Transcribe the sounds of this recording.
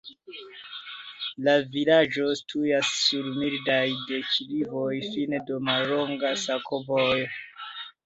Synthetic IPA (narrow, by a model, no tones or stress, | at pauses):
lavilad͡ʒo̞stʰujasːuɾmildajde̞kilivojfinedomalɾo̞ŋɡasakʰovoj